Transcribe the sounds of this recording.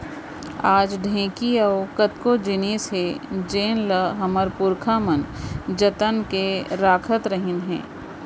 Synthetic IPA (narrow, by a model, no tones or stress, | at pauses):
aːd͡ʒɖʱẽːkiaokət̪kod͡ʒɪniːsɦed͡ʒeːnləɦɐməɾpʊɾkʰamənd͡ʒət̪ənkeɾaːkʰət̪ɾəɦɪnɦɛ̰̃ː